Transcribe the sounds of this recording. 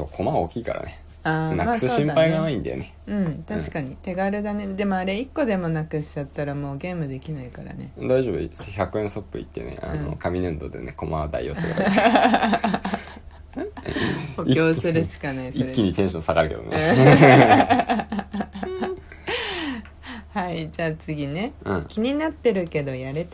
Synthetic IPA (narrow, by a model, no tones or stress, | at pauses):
so̰ːkʰo̞maoːkʲiːka̰ɾa̰ne | anaasɯsɕĩmpaiɡaaĩnd̪a̰jone | ɯ̟̃ɴt̪aɕi̥kaɲ̟it̪e̞ɡaɾɯ̟d̪ane̞d̪e̞mo̞aɾe̞ikːo̞d̪e̞mo̞nakɯ̟ɕi̥t͡ɕat̪ːaɾamo̞ːɡe̞ːmɯd̪e̞kʲinaikaɾa̰ne̞d̪aiʑo̞ːbɯsçakɯẽ̞ɰso̞pːɯ̟ḭt̪ːḛnḛʔa̰no̰kamʲinɯ̃nd̪o̞d̪eneko̞mad̪a̰jːo̞̰seɡa̰ | okʲo̞ːsɨɾɯ̟ɕi̥kanaisioɾkʲːiɲit̪ẽɕõsaɡaɾɯ̟ked̪o̰m̰ː | haid͡ʑaːt͡sɨɡʲinẽ̞kʲiɲ̟inat̪ːe̞ɾɯ̟ke̞d̪o̞jaɾe̞t̪